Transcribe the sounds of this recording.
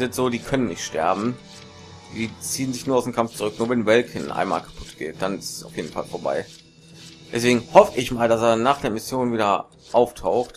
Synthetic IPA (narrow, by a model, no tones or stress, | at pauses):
zɪntz̥oːdiːkʰœnənːɪçtʃtɛ̰ɐbm̩ | d̥iːt͡siːənzɪçnuɐaʊd̥eːnkʰamft͡sʊʁʏk̚nuːɐvɛnvɛlkʰənʔa̰ɪnma̰ːlkʰḁpʰʊ̥tɡ̥ḛːt̚d̥anɪsaʊfjeːdn̩fa̰lfoːɐba̰ɪ | d̥ɛsv̥eːɡŋ̩hɔfəʔɪçmaːldaseːɐnaːχd̥eːɐmɪsjoːnviːdɐ | ʔaʊftʰaʊxt